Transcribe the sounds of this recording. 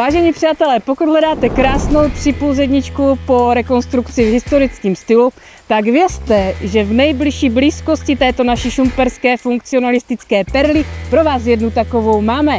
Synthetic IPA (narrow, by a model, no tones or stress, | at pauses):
vaːʒɛɲiːpr̝̥aːt̪ɛlɛːpokud̪ɦlɛdaːt̪ɛkɾaːsno̞wpr̥ɪpozɛdɲɪt͡ʃkupoɾɛko̞nst̪ɾukt͡sɪvɦɪst̪o̞ɾɪt͡skiːmst̪ɪlu | t̪aɡvjɛst̪ɛʒɛvnɛjblɪʃiːbliːsko̞scɪt̪ɛːt̪o̞naʃiʃumpɛɾskɛːfuŋk̚t͡sɪonalɪst̪ɪt͡skɛːpɛɾlɪpɾo̞vaːsjɛdnut̪ako̞vo̞wmaːmɛ